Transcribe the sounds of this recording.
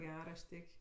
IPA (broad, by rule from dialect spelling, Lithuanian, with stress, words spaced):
ˈɡʲɛr ɐʃ ˈtʲeːkʲ